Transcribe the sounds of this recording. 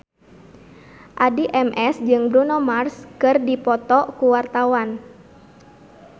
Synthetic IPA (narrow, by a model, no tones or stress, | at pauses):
ʔadiʔɛmʔɛsd͡ʒɨŋbɾunɔmarskɨrdipɔt̪ɔkuwart̪awan